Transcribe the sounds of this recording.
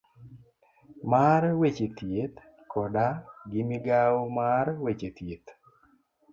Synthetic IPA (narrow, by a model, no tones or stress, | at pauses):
maɾwet͡ʃet̪jet̪ | kʰɔdaɡɪmɪɡawomaɾwet͡ʃet̪jet̪